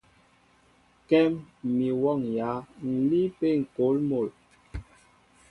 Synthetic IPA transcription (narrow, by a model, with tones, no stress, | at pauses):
kɛ˦mmi˨wɔ˦˨ŋja˨˦n̩˨li˦pe˦ŋ̩˨ko˨˦lmo˨l